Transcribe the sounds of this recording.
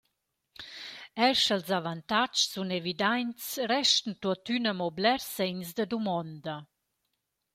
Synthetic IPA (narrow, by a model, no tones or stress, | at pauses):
ɛɾʃəlzavant̪at͡ʃsunevid̪ajnt͡sɾɛʃtn̩t̪uət̪ynəmɔblɛɾsɛnsd̪əd̪umɔnd̪ə